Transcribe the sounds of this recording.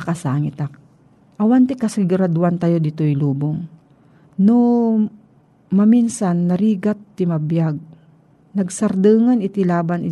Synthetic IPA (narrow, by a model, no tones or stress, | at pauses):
kɐsaːŋɪt̪ak | ʔɐwant̪ɪkɐsɪɡʊɾad̪uwant̪ajod̪ɪt̪ojluːboŋ | no | mɐminsanːɐɾiːɡat̪ːɪmɐbjaɡ̚ | nɐɡsɐɾd̪ɨːŋanɪt̪ɪlaːbanɪ